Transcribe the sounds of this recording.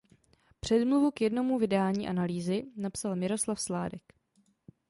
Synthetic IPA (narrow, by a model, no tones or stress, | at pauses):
pr̝̥ɛdmluvukjɛdno̞muvɪdɛaːlɲiːʔanaliːzɪnapsalmɪɾo̞slafslaːdɛk